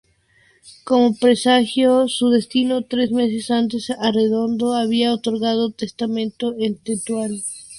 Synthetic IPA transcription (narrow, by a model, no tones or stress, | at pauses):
ko̞mo̞pɾe̞saxjosuðe̞st̪ino̞t̪ɾe̞zme̞s̬e̞sant̪e̞sare̞ðo̞nd̪oaβiaot̪o̞ɾɣað̞ot̪e̞st̪amẽnt̪oent̪et̪wal